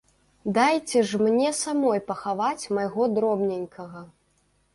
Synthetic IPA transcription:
d̪ajt͡sʲɛʐmnʲɛsamɔjpɐxavat͡sʲmajɣɔd̪ɾɔbnʲenʲkʰɐɣɐ

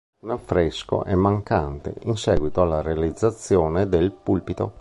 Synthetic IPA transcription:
unafːɾesko̰ʔɛmːaŋkant̪ḛinsɛːɡwit̪oalːaɾealid̪zːat̪sːjɔːned̪elpulpit̪o

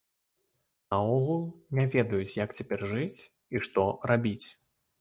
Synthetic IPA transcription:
nɐɔɣulˠnʲavʲɛd̪ɐjut͡sʲjakt͡sʲapʲɛrʐɨt͡sʲ | iʂt̪ɔrabʲit͡sʲ

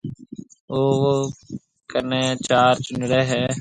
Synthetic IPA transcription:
oːo | kəneːt͡ʃaːɾt͡ʃʊnɽeːɦɛː

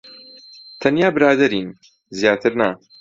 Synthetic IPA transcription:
t̪ʰɐnjaːbɨɾaːd̪ɐɾiːn | zijaːt̪ʰɨɾna

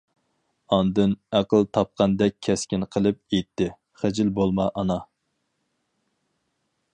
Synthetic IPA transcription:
ɑnd̪ɨnæqəlˠt̪ʰɑp̚qʰɑnd̪ɛk̚ʲʰɛskʲinqʰəlˠɨp̚ejt̪ʰːɪ | χæd͡ʒɪlbolˠmɑʔɑnɑ

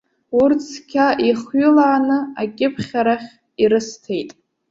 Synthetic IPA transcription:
urt͡sʰkʲʰaʔiχɥʊlaːnɨakʲʼɪpʰχʲaɾaχʲ | iɾɨstʰe̞jtʼ

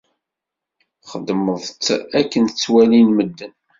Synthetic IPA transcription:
χəd̪məðˤt͡sːækːənt͡sːwælinməd̪ːən

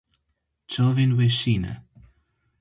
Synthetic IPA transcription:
t͡ʃɔːvɪnwɪʃiːnə̰

